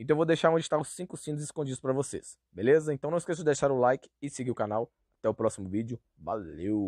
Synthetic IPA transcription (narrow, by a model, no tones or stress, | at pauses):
ẽt̪ɐ̃w̃vowd̪ejʃaɾõd͡ʒiɪt̪aʊsːĩkʊsĩd̪ʊzɪskõd͡ʒid̪ʊspɾɐvosḛs | belezɐẽnt̪ɐ̃w̃nɐ̃ɪskesʊd͡ʒɪd̪ejʃaɾʊlajkɪ̥ɪsɪɡiʊkanaw | at̪ɛʊpɾɔsimʊvid͡ʒʊ | va̰lew